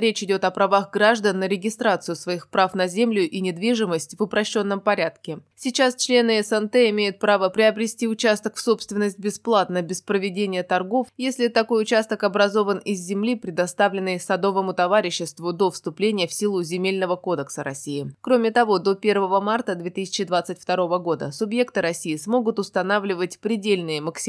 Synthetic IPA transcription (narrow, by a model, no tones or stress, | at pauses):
ɾʲet͡ɕɪdʲo̞t̪ɐpɾɐvaɣɡɾaʐd̪ənːəɾʲɪɡʲɪst̪ɾat̪sɨjʊsvɐixpɾafnɐzʲemlʲʊʔinʲɪd̪vʲiʐɨməsʲtʲvʊpɾɐɕːo̞nːəmpɐɾʲat̪kʲɪsʲɪt͡ɕast͡ɕlʲe̞nɨɛsɛnt̪ɛɪmʲejʊt̪̚pɾavəpɾʲɪɐbɾʲɪsʲtʲiʊt͡ɕast̪əkfso̞pst̪vʲɪnːəsʲt̚ʲbʲɪsplˠat̪nəbʲɪspɾəvʲɪdʲenʲɪjət̪ɐrɡo̞fjesʲlʲɪt̪ɐko̞jʊt͡ɕast̪əkɐbɾɐzo̞vənɪzːʲɪmlʲipɾʲɪd̪ɐst̪avlʲɪnːɨjsɐd̪o̞vəmʊt̪ɐvaɾʲɪɕːɪst̪vʊd̪o̞fst̪ʊplʲenʲɪjəfsʲilˠʊzʲɪmʲelʲnəvəko̞d̪əksəɾɐsʲijɪkɾo̞mʲɪt̪ɐvo̞d̪o̞pʲe̞rvəvəmart̪əd̪vʲe̞t̪ɨsʲɪ̥t͡ɕɪd̪vat̪sɨtʲft̪ɐɾo̞vəɡo̞d̪ə̰sʊbje̞kt̪ɨɾɐsʲijɪsmo̞ɡʊt̪ʊst̪ɐnavlʲɪvətʲpɾʲɪdʲelʲnɨjəməksʲ